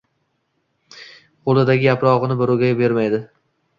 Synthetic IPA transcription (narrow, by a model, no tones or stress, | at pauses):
qʰolˠɪd̪aɡʲɪjapɾɒʁɨnɪbɪɾʊɡʲajbe̞ɾmajd̪ɪ